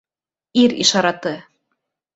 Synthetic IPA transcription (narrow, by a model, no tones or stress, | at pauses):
iɾḭʃɑɾɑt̪ɤ